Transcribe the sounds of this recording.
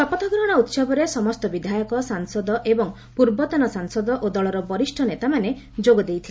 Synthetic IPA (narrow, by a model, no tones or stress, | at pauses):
sɔpɔt̪ʰɔɡɾɔɦɔɾɔut̪sɔbɔɾesɔmɔst̪ɔbid̪ʱajɔkɔsaŋsɔd̪ɔʔebɔŋ | puɾbɔt̪ɔnɔsaŋsɔd̪ɔʔod̪ɔɭɔɾɔbɔɾisʈʰɔnet̪amane | d͡ʒoɡɔd̪ejt̪ʰile